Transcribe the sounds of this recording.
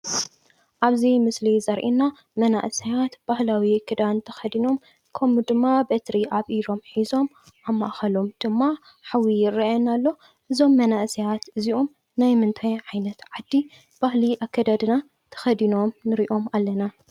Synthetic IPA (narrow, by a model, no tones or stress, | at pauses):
ʔaβzimɨslizɐɾʔinːa | mɐna̰ʔsijat̪b̥ahlawikʰɨd̪ant̪ʰɐ̥xɐd̪ino̞m | kʰɐmud̪ɨmːabet̪ɾiʔaβʔiɾo̞mħizo̞m | ʔamːaʔxɐlo̞md̪̥ɨmːa | ħawijɪrːiɛnalːo̞ | ʔɨzo̞mːɐnaʔsijat̪ʔɨziʔom | najmɨnt̪ʰajʕajnɐt̪ʕad̪ːi | b̥ahliʔakʰːɐd̪ad̪ɨna | t̪ʰɐ̥xɐd̪ino̞mnɨɾiʔo̞malːɐna